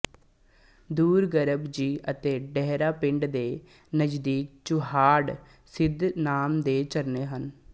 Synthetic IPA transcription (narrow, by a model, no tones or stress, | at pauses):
d̪uːɾɡəɾəbd͡ʒiːʔət̪eːɖɛɦɾaːpɪ̃ɳɖd̪eː | nəd͡ʒd̪iːk̚t͡ʃʊɦaːɽ | sɪd̪naːmd̪eːt͡ʃəɾneːɦən